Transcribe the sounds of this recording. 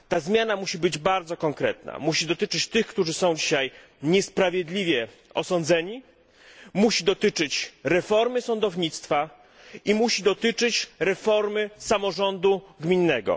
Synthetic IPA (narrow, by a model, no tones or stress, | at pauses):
t̪azmʲjanamuɕibɘd͡ʑbaɾd̪zɔkɔŋkɾɛt̪̚na̰muɕid̪ɔt̪ɘt͡ʂɘt͡ɕt̪ɘxkt̪uʐɘsɔ̃w̃d͡ʑiɕaj | ɲɛspɾavʲjɛd̪lʲivʲjɛ | ɔsɔnd̪zɛɲi | muɕid̪ɔt̪ɘt͡ʂɘt͡ɕɾɛfɔɾmɘsɔnd̪ɔvɲit̪st̪fa | imuɕid̪ɔt̪ɘt͡ʂɘt͡ɕɾɛfɔɾmɘsamɔʐɔnd̪uɡmʲinːɛɡɔ̰